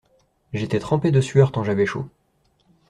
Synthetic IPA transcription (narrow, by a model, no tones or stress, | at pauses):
ʒet̪ɛt̪χɑ̃ped̪əsɥœʁt̪ɑ̃ʒavɛʃo̰